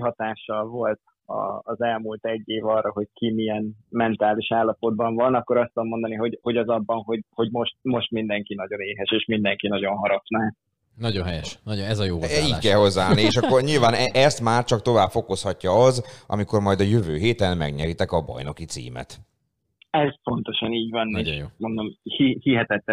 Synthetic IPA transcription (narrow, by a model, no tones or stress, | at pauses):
ɦɒt̪aːʃːɒlvo̞lt̪ | ɒ̰ːzɛlmult̪ɛɟːeːvɒrːɒɦo̞ckʰimijɛnmɛnt̪aːliʃaːlːɒpo̞d̪̚bɒɱvɒnɒkːo̞ɾɒst̪omːo̞nd̪ɒniɦo̞ɟho̞ɟɒzɒbːɒnɦo̞ɟho̞ɟmo̞ʃt̪̚mo̞ʃt̪mind̪ɛŋkinɒɟo̞neːɦɛʃeːʃmind̪ɛŋkinɒɟo̞nɦɒɾɒknaː | nɒɟonɦɛjɛʃnɒɟoɛzɒjoːiːɟkɛːho̞zːaːlnieːʃɒkːorɲiːlvaːnɛʔɛst̪maːrt͡ʃɒkt̪o̞vaːbfo̞koshɒcːɒɒzʔɒ̰miko̞rmɒjd̪ɒjøvøːɦeːt̪ɛnmɛ̰ɡɲɛɾit̪ɛkɒbɒ̰jno̞kit̪sḭːmɛ̰t̪ | ɛzpo̞nt̪o̞ʃɒniːɟvɒneːʃjmond̪omhihiɦɛt̪ɛt̪ːɛ